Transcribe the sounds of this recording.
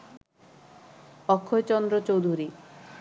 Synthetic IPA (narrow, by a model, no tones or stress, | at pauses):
ɔkʰːojt͡ʃɔnd̪ɾɔt͡ʃowd̪ʱuɾi